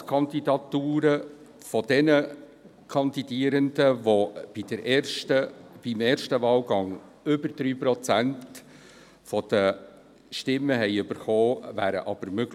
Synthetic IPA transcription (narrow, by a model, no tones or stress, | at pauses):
kʰɑnd̪idɑt̪uːɾə | fɔd̥ɛnə | kʰɑnd̪id̥iːəɾənd̥̪əʋɔb̥id̥əɾʔɛːʃtəb̥ɪmeːɾʃtəʋɑːlɡɑŋ | ʏbəɾd̪ɾyːpɾɔt͡sænt | fɔd̥̪ə | ʃtɪmːəɦɛɪʏb̥əɾχɔːvæːɾə̰ʔɑb̥əɾmøɡ̥